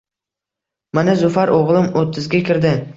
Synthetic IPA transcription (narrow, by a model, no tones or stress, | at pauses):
manazʊfaɾʔoʁlˠɪmot̪ʰːɪzɡʲakʲʰɪɾd̪ɪ